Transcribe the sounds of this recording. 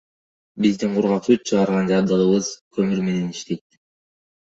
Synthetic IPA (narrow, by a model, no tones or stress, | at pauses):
bizd̪iɴqʰuɾʁɑpsyt̪̚t͡ʃʰɯʁɑɾʁɑnd͡ʒɑb̚d̪ɯlɯβɯzkʰɵmyɾme̞ne̞niʃt̪e̞jt̪̚